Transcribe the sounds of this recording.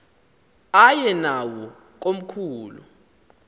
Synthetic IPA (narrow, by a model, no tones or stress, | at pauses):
ajɛnawɔ | k̬om̩kʰuːlṵ